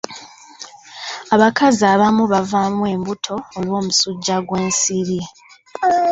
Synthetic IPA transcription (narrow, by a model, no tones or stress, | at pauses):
aβakʰaziaːβamuβavamwe̞ːmbutʰo̞ːlwo̞ːmusuɟːaɡwe̞ːnsiɾi